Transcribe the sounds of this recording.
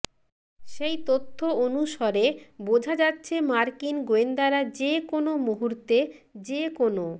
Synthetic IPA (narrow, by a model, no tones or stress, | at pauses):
ʃejt̪ot̪ʰːoonuʃɔɾebod͡ʑʱad͡ʑatːɕʰemaɾkinɡoend̪aɾad͡ʑekonomuɦuɾt̪e | d͡ʑekono